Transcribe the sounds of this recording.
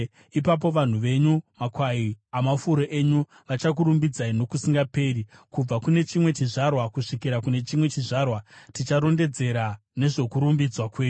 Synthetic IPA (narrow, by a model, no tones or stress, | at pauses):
ipap̬o̞ʋan̤uʋe̞ɲumakwaiamafuɾoʔe̞ɲu | ʋat͡ʃak̬uɾumbid͡zaino̞kusiŋɡape̞ɾikub͡vakune̞t͡ʃimwe̞t͡ʃiʐarwakuʂikiɾakune̞t͡ʃimwe̞t͡ʃiʐaːrwatit͡ʃaɾo̞nde̞d͡ze̞ɾa | ne̞ʐo̞kuɾumbid͡zwakweːɲu